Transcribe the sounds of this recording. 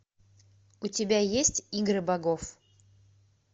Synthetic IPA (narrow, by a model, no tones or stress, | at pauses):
utʲɪbʲajesʲtʲiɡrɨbaɡof